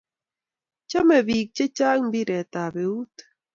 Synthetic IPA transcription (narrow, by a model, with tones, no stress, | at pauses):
t͡ʃɔ˦mɛ˨βi˨k̚t͡ʃe˦t͡ʃa˦ŋmbi˦ɾɛ˨t̪a˨βe˨u˦t̪